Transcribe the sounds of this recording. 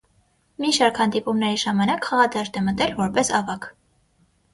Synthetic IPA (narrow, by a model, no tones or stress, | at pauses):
miʃɑɾkhɑnd̪ipumnɛɾiʒɑmɑnɑkχɑʁɑd̪ɑʒd̪ɛmət̪ɛlvɔɾpɛsɑvɑk